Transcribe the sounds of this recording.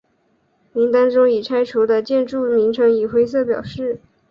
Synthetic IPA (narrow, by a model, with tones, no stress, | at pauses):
mi˧˥ŋt̪a˥ŋʈ͡ʂʊ˥ŋi˨˩ʈ͡ʂʰa˥ɪʈ͡ʂʰu˧˥d̪ə˧t͡ɕjɛ˥˧nʈ͡ʂu˥˩mi˧˥ŋʈ͡ʂʰɤ˧˥ŋi˨˩xwe˥ɪs̬ɤ˥˩pjɑ˨˩ʊʂɻ̩˥˩